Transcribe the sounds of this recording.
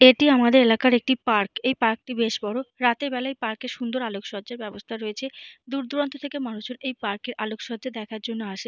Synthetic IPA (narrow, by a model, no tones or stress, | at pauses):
eʈiamad̪eɾelakaɾek̚ʈipaɾkejpaɾk̚ʈibeʃbɔɾoɾat̪eɾbɛlaejpaɾkeɾʃund̪oɾalokʃɔd͡ʑaɾbɛbost̪ʰaɾoet͡ɕʰed̪uɾd̪uɾont̪ʰot̪ʰekemanot͡ɕoɾejpaɾkeɾʔalokʃɔd͡ʑad̪ɛkʰaɾd͡ʑonːoaʃe